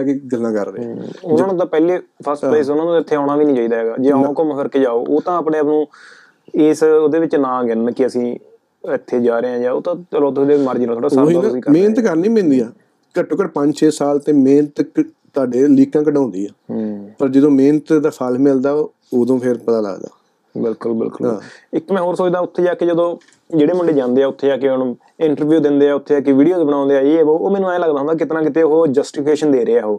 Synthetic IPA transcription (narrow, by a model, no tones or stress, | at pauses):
keɡəlːãːkəɾd̪ḛ̃ʊnãːnũːt̪ãːpɛːleːpʰəɾspːsʊnãːnõɪt̪ʰːeːaːɳaːʋiːnĩːt͡ʃaːiːd̪aːɦeːɡa̰ːd͡ʒeːãːkəmfʰəɾkeːd͡ʒaːoːʔoːt̪ãːaːpnẽːapnũː | ɪːsoːd̪eːʋɪt͡ʃnãːɡɪnkɪəsĩː | ɪt̪ʰːeːd͡ʒaːɾeːãːd͡ʒaːo̰ːt̪ãːəloːt̪sd̪eːmaːɾd͡ʒinaːt̪ʰoːɽaːaoiːnãiːmeːnət̪kəɾnĩːmɪ̃nd̪iːaː | kəʈːoːkəʈpə̃ɲd͡ʒt͡ʃʰeːsaːlt̪ẽːmeːnət̪ | t̪ʊaːɖeːliːkãːkəɖãːnd̪iːaːpəɾd͡ʒəd̪õːmeːnt̪d̪aːsʰalmɪld̪aː | oːd̪õːpʰɪɾpət̪aːlə̰ɡd̪a̰ː | bɪlkʊlbɪ̰lkʊlɦã̰ːɪkmɛ̃ːɦoːɾsoːt͡ʃd̪aːʊt̪ʰːeːd͡ʒaːked͡ʒəd̪õː | d͡ʒeːɽeːmʊɳɖeːd͡ʒãːnd̪eːɛːʊt̪ʰːeːaːkɪonũː | ɪɳʈəɾʋjuːd̪ɪnd̪eːɛːʊt̪ʰːeːaːkɪʋiːɖijoːt̪ebəɽãːnd̪eaːiɛːoːmɛ̃ːnːũaːj̃ləɡd̪aːɦnaːkɪt̪nãːk̬ɪt̪eːɦoːd͡ʒəsʈipʰkeːʃənd̪eːɾeːaːɦoː